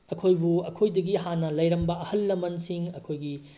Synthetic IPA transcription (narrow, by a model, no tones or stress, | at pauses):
ɐkʰojbuɐkʰojdɐɡiɦanːɐlɐjɾɐmbɐɐhɐlːɐmɐnsiŋɐkʰojɡi